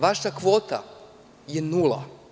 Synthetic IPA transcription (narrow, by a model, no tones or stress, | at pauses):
ʋaʃakʋoːt̪a̰ | jenulˠa̰